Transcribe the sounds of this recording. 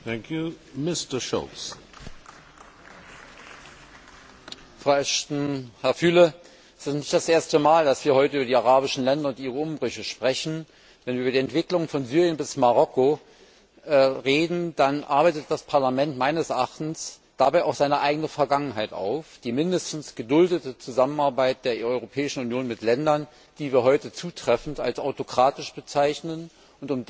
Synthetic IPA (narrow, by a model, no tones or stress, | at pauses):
θæ̃ŋkʰjumɪstəʃo̰s | fʁ̥aʊɛʃtn̩hɛɐfyːlə | ʔɛstɪstnɪçtd̥asʔeːɐstəmaːldasv̥iːɐhɔʏtəʔyːbɐdiːaʁaːbɪʃn̩lɛndɐʊntʔiːʁəʊmbʁʏçəʃpʁ̥ɛçn̩ | vɛnviɐːbɐdiːɛntv̥ɪklʊŋəfɔnzyːʁjənbɪsmaʁɔko | ʔɛːʁeːdn̩d̥anʔa̰ɐbaɪtət̚d̥aspʰaɐlamɛntmaɪnəsʔaχtn̩s | d̥abaɪʔaʊxz̥aɪnəʔaɪɡənəfɛɐɡaŋənɦaɪta̰ʊfd̥iːmɪndəstn̩sɡ̥ədʊldətət͡suzamənaɐbaɪt̚d̥eːɐʔɔʏʁopʰɛːɪʃn̩ʊnjoːnmɪtlɛndɐn | d̥iːviːɐɦɔʏtət͡suːtʁ̥ɛfn̩ta̰lsaʊtokʁ̥aːtɪʃb̥ət͡saɪçnən | ʊntʊm